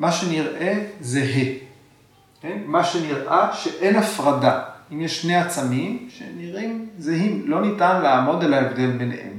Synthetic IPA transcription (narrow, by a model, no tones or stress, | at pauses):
maʃe̞niʁʔe̞zeɦe | kenmaʃe̞niʁʔaʃeʔe̞nafʁadaimjeʃʃneat͡samimʃeniʁimzeɦimlo̞nitanleamo̞d̪e̞laevd̪e̞lbenḛhḛm